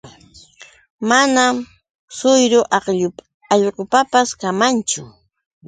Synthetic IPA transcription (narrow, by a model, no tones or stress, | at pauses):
manam | sʊjɾʊʔɑqʎʊ | ɑʎɢʊpapaskamant͡ʃʊ